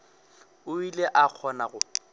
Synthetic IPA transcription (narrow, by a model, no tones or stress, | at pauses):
ʊileʔak͡xʰɔnaɣʊ